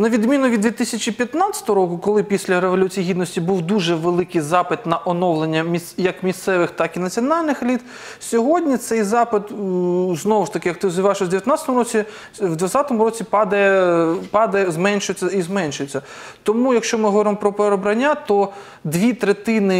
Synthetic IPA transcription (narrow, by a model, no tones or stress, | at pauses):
nɐʋʲid̪mʲinʊʋʲid̪d̪ʋʲit̪ɪsʲɐt͡ʃipʲjɐt̪nat͡sʲɐ̥t̪ɔɦɔɾɾɔkʊkɔlˠɪpʲisʲlʲɐɾeʋɔlʲut͡sʲijiɦʲid̪nɔsʲtʲibuwd̪uʒɛʋelˠɪkɪjzɑpɪt̪nɐʔɔnɔwlˠenʲːɐmʲisjɐkmʲist̪sɛʋɪxt̪ɑkinɐt͡sʲiɔnɑlʲnɪxlʲit̪ | sʲɔɦɔdʲnʲit̪sɛjzɑpɪt̪znɔʋʊʃt̪ɐkɪjɐk̚t̪ɪzjɪʋaeʃɔzʲd̪eʋʲjɐt̪nɑt͡sʲət̪ɔmʊɾɔt͡sʲi | ʋd̪ʋɐt͡sʲat̪ɔmʊɾɔt͡sʲipɑd̪ɐɛpɑd̪ɐzmɛnʲʃʊjt͡sʲːɐizmɛnʲʃʊjet͡sʲːɐ | t̪ɔmujɐkʃt͡ʃɔmɪɦɔʋɔɾɪmɔpɾɔpeɾɔbɾɐnʲːat̪ɔ | d̪ʋʲit̪ɾet̪ɪnɪ